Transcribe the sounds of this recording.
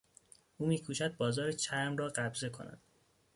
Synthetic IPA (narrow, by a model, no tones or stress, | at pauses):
ʔuːmiːkʰuːʃæd̪̚bɒːzɒːɾet͡ʃʰæɾmrɒːɢæbze̞kʰo̞̰næ̰d̪̥